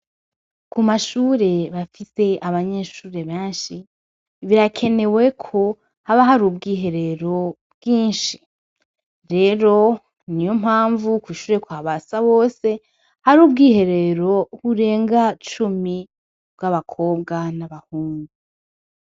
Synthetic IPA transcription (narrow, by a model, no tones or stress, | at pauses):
kumaʃuːɾe̞βafise̞aβaɲe̞ʃuːɾe̞βẽːnʃi | βiɾakʰe̞ne̞we̞kʰo̞ | haβaɦaɾubɡiːɦe̞ɾe̞ɾo̞bɡ̥iːnʃi̥ | ɾe̞ɾo̞ | nijo̞mhaːɱvukuʃuːɾe̞kwaːβasaβo̞ːse̞ | haɾuːb̚ɡiːhe̞ɾe̞ɾo̞huɾe̞ːŋɡat͡ʃumi | bɡaβakʰo̞ːbɡanaβahuːŋɡu